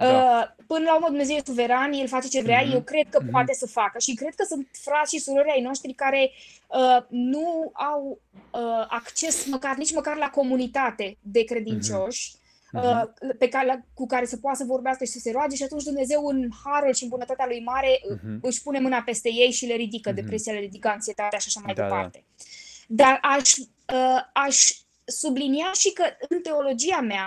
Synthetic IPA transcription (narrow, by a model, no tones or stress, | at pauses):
əpɨnəlaurməd̪umne̞zewjesuve̞ɾanjelfat͡ʃe̞t͡ʃevɾeaje̞wkɾe̞d̪̚kəpwat̪e̞səfakəʃikɾe̞d̪kəsunt̪fɾatsʃisuɾo̞ɾʲajno̞ʃt̪ɾikaɾe̞ | ənuaw | əakt͡ʃe̞sməkarnit͡ʃməkarlako̞munit̪at̪e̞d̪e̞kɾe̞d̪int͡ʃo̞ʃʲ | əpe̞kalkukaɾe̞sepoat̪səvo̞rbeaskəʃisəse̞ɾoad͡ʒe̞ʃiat̪unt͡ʃd̪umne̞ze̞wɨnhaɾulʃiɨmbunət̪at̪ealujmaɾe̞ʔɨʃʲpune̞mɨnape̞st̪e̞je̞jʃileɾid̪ikəd̪e̞pɾe̞sijaleɾid̪ikəaŋt̪sie̞t̪at̪eaʃaʃamajd̪epa̰rt̪e̞d̪araʃʲ | əaʃʲ | subliniaʃikəɨnt̪e̞o̞lo̞d͡ʒiamea